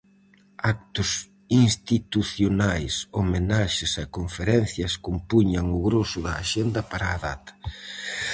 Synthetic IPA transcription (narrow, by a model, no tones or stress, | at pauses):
ak̚t̪ʊs | inst̪it̪uθjonajsomenaʃɪsakoɱfeɾɛn̟θjɐskompuɲɐŋʊɣɾosʊðɐːʃend̪ɐpaɾaːða̰t̪ɐ̥